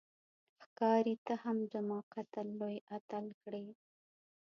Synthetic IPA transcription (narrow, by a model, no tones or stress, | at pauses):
xkɑɾit̪ahamzamɑqat̪allojat̪alkɽəj